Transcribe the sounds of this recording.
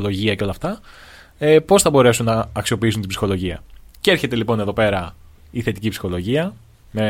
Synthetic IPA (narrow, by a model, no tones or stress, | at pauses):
lo̞ʝiɐceo̞lɐft̪ɐ | epo̞sθɐbo̞ɾe̞sunːɐːksio̞piisunt̪ibsi̥xo̞lo̞ʝiɐ̰ceeɾçe̞t̪elipo̞ne̞ðo̞pe̞ɾɐ | iθe̞t̪icipsi̥xo̞lo̞ʝiɐ | me